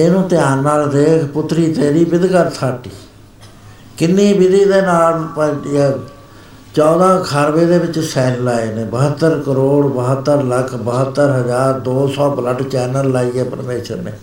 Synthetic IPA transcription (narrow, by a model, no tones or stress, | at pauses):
eːnũːt̪ɪjaːnːaːld̪eːkʰpʊt̪ːɾiːt̪eːɾiːbɪd̪kəɾt̪ʰaːʈiː | kɪnːiːbɪd̪iːd̪eːnaːlpəɛː | t͡ʃɔːd̪ãːkʰaːɾʋeːd̪eːʋɪt͡ʃsɛːllaːeːneːbəɦət̪ːəɾkəɾoːɽbəɦət̪ːəɾləkʰbəɦət̪ːəɾɦəd͡ʒaːɾd̪oːsɔːbləʈt͡ʃɛːnəlːaːiːɛːpə̰ɾmeːʃə̰ɾnḛː